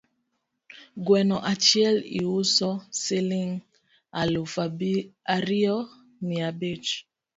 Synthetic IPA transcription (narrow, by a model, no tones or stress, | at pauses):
ɡwɛnɔʔat͡ʃjɛlḭwusɔseliŋ | alofaaɾiɔ | miabet͡ʃ